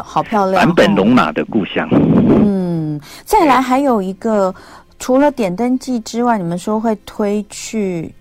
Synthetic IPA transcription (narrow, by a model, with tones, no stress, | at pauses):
xɑ˨˩ʊpʰjɑ˥˧ʊlja˧˦npə˨˩nlʊ˧˥ŋma̰˨˩d̪ə˦ku˥˧ɕjɑ̰˥˩ŋn̩˥˩t͡sa˥˩ɪla˧˥ɪxa˧˥ɪjo˨˩ʊi˧˥ɡə˧ | ʈ͡ʂʰu˧˥lə˧t̪jɛ˨˩nt̪ə˥nt͡ɕi˥˩ʈ͡ʂɻ̩˥wa˥˩ɪni˨˩mə˦nʂo˥xwe˥˧˩ɪt̪ʰwe˥ɪt͡ɕʰy˥˩